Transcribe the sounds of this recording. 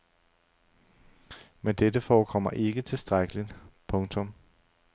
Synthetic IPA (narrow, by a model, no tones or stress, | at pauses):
mend̥edəfɒːkʰɒ̽m̰ɐʔe̝ɡ̥ət͡sʰe̝sd̥ʁaɡ̥əlipʰɔ̽ŋt͡sʰɔ̽m